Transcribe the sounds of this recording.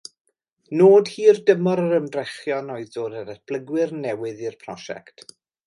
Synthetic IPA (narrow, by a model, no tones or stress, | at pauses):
noːd̥hiːrdəmɔɾəɾəmdrɛχjɔnɔɨðdoːdəɾətb̥lˠəɡwɪrnɛwɨðirpʰrɔ̰ʃɛ̰ktʰ